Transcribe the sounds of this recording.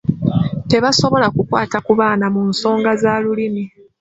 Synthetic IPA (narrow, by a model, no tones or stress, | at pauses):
te̞βaso̞βo̞lakukwaːtakuβaːnamunso̞ːŋɡazaːlulimi